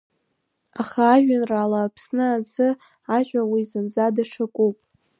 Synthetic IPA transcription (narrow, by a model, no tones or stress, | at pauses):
aχaːʒʷᶣanralaːpʰsnɨazɨ | aʒᶣʷawizɨmzadaʂʰakʷʼupʼ